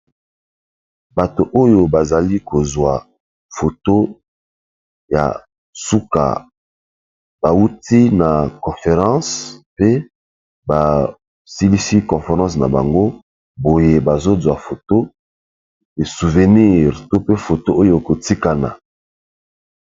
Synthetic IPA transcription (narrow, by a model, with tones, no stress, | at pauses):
ba˨to˨ʔo˦jo˨ba˨za˨li˦ko˨zwa˨ | fo˨to˦ | ja̰˨ | su˦ka̰˨ | b̥a˨u˦ti˦na˨kɔ̃˨fe˨ʁɑ̃˦spe˦ | ba˨ | si˦li˦si˦kɔ̃˨fe˨ʁɑ̃˦sna˨ba˨ŋɡo˦ | bo˨je˨ba˨zo˦zwa˨fo˨to˦ | e˨su˨vɛ˨ni˦ʁto˦pe˦fo˨to˦o˦jo˨ko˨ti˦ka˨na̰˨